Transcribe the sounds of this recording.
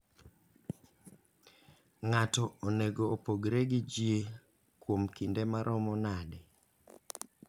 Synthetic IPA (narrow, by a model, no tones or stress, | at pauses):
ŋatɔoneɡoːpoɡɾeɡɪd͡ʒje | kwomkindemaɾʔɔmɔnadɪ